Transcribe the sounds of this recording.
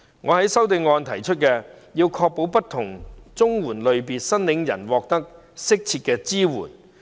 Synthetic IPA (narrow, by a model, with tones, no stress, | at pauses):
ŋɔː˨˧hɐ˨˥jsɐ˥wt̪ɪ˧ŋŋɔː˨˧nt̪ʰɐ˨˩jt͡ʃʰɵ˥t̚kɛː˧ | jiː˧wkʰɔː˧k̚po˨˥wpɐ˥tt̪ʰʊ˨˩ŋt͡sʊ˥ŋwuː˨˩nlɵ˨˧ɥpiː˨nsɐ˥nlɪ˨˥ŋjɐ̰˨˩nwɔː˨˧k̚t̪ɐ˥k̚ | sɪ˥k̚t͡sʰiː˧t̚kɛː˧t͡siː˥wṵː˨˩n